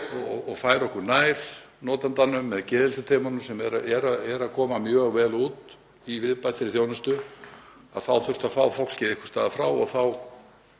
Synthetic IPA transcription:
ɔɣɔɣfaːjɾɔhkʏɾnajɾ̥ | nɔːt̪ant̪anːʏmːɛðcɛːðɪlsʏt̪ʰeːmanʏmsɛmɛɾaɛɾaɛɾaðkʰɔːmamjœːɣvɛːluːt̪ | ivɪðpajt̪θɪɾɪθjownʏst̪ʏ | a̰ðθawθʏr̥t̪afaːwfowl̥cɪðɪhkʏ̥st̪aːðafɾaːwɔɣθaw

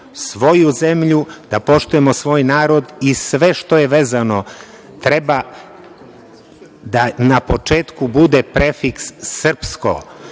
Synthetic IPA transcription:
sʋo̞juze̞mʎud̪apo̞ʃt̪uje̞mo̞sʋo̞ːjnaːɾo̞d̪isʋe̞ʃt̪o̞je̞ʋe̞ːzano̞ | t̪ɾeba | d̪anapo̞t͡ʃeːt̪kubud̪epɾefiksːr̩psko̞̰

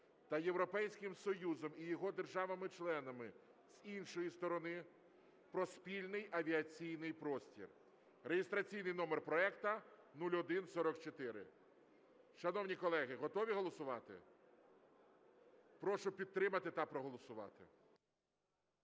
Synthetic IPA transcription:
t̪ɐjewɾɔpɛjsʲkɪmsɔjuzɔmijɔɦɔd̪erʒɑʋɐmɪt͡ʃlˠɛnɐmɪ | z̥inʃɔjist̪ɔɾɔnɪ | pɾɔspʲilʲnɪjɐʋʲiɐt͡sʲijnɪjpɾɔsʲtʲḭr | rejɪst̪ɾɐt͡sʲijnɪjnɔmerpɾɔɛkt̪ɐnulʲɔd̪ɪnsɔɾɔkt͡ʃɔt̪ɪɾɪ̰ | ʃɐnɔwnʲikɔlˠɛɦɪɦɔt̪ɔʋʲiɦɔlˠɔsʊʋɑt̪ɪ̰ | pɾɔʃʊpʲidt̪ːɾɪmɐt̪ɪt̪ɐpɾɔɦɔlˠɔsʊʋɑ̰t̪ɪ̰

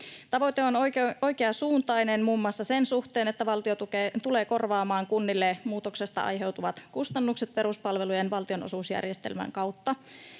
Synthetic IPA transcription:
t̪ɑʋo̞jt̪eonoo̞jkeɑsuːnt̪ɑjnenmuːmːuɑsːɑse̞nsuht̪e̞ːnet̪ːæʋɑlt̪iot̪uket̪ule̞ːko̞rʋɑːmɑːŋkunːilːemuːt̪o̞kse̞st̪ɑ̰ʔɑ̰jɦe̞wt̪uʋɑt̪kust̪ɑnːukset̪̚pe̞ɾuspɑlʋe̞lujenʋɑlt̪io̞no̞̰suːsjæ̰rjest̪ḛlmæ̰ŋkɑwt̪ːɑ

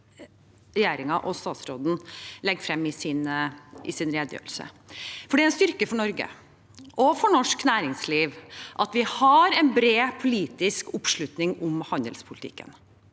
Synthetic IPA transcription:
ɾɛjeːɾɪŋɑʔɔst̪ɑːt̪sɾoːd̪n̩lɛɡfɾɛmːɪsɪnʔɪsɪnɾeːd̪jø̰ːʋəlsə̰ | fɔɖiːæɛnst̪ʏɾkəfɔɳɔɾɡə̰ | ʔɔfɔɳɔʂknæːɾɪŋsliːʋʔɑt̪ʋɪhɑɾɛnbɾeːpʰʊliːt̪ɪskʊpʂɭʉt̪nɪŋʊmhɑnd̪əlspʰʊlt̪ʰɪ̰kːə̰n

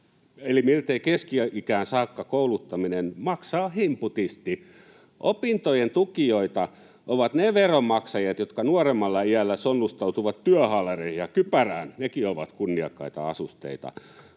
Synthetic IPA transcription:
elimilt̪eikeskiøʔikæːnsɑːkːɑkoulut̪ːɑminenmɑksɑːhimput̪ist̪i | ʔopint̪ojent̪ukioit̪ɑ | ʔoʋɑt̪neʋeromɑksɑjɑt̪jot̪kɑnuoremːɑlːɑiælːæsonːust̪ɑut̪uʋɑt̪t̪yæhɑlerehijɑkypæræːnnekioʋɑ̰t̪kunːiɑkːɑit̪ɑ̰ɑsust̪ḛit̪ɑ̰

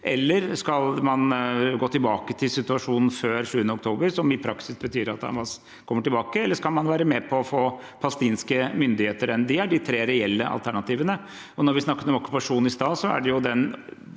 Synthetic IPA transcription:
ʔɛlːəɾskɑlmɑnɡoːt̪ɪlbɑːkət̪ʰɪlsɪt̪ʉɑʂuːnn̩føːɾʂʉːənəɔkt̪ʰoːbəɾsɔmɪpʰɾɑksɪsbət̪ʰyːɾɑ̰t̪̚dɑ̰ʋɑs | kʰɔmːəʈɪlbɑːkəɛlːəʂkɑlmɑnʋæːɾəmɛpʰɔɔfoː | pʰɑst̪iːnskəmʏnd̪ɪheːt̪əɾɛnd̪ɪæɖɪt̪ʰɾeːɾɛɛlːəʔɑ̰lt̪ʰæɳɑt̪iːʋənə | ɔnɔɾʋɪsnɑkːət̪ɔmɔkʉ̥pɑʂuːnɪst̪ɑːsɔæ̰ɖɛjʊd̪ɛn

